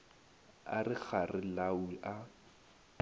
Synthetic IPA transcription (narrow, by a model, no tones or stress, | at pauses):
a̰rɪk͡xarɪlawiʔa